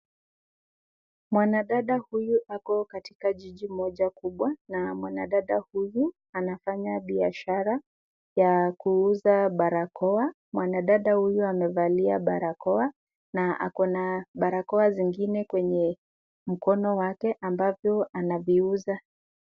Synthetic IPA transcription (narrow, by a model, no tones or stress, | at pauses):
mwanaɗaɗahujuʔakɔkatikaʄiʄimɔʄakuɓwanamwana̰ɗaɗahuju | anafaɲaɓiaʃaɾa | jakuuzaɓaɾakʰɔa | mwanaɗaɗahujuamɛvaliaɓaɾakɔa | naʔa̰kɔnaɓaɾakɔaziŋɡinɛkwɛɲɛ | m̩kɔnɔwakɛʔambavjɔanaviuza